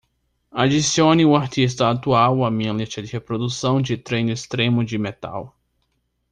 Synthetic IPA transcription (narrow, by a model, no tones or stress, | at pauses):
ad͡ʒisiõnɪʊaɾt͡ʃ̪is̬t̪ɐat̪uawɐmĩɲɐlisɐd͡ʒɪhepɾod̪usɐ̃w̃d͡ʒɪt̪ɾẽjnʊɪst̪ɾẽmʊd͡ʒɪmet̪a̰w